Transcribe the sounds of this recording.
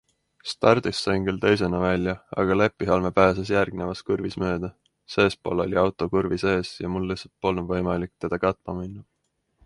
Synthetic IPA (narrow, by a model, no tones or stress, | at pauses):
st̪ɑrd̪̥isːɑjnkylt̪e̞js̬e̞nɑvælʲjɑɑ̰ɡ̥ɑle̞pːˑiɦɑlme̞pæːs̬esjærɡ̥ne̞vɑskurvismø̞ːd̪̥ɑ | se̞ːspolo̞̰lʲiɑwt̪ˑo̞kurvise̞ːsjɑmulːisːɑt̪̚po̞lnnvɤjmɑlik̚t̪e̞d̪̥ɑkɑt̪ˑmɑminːu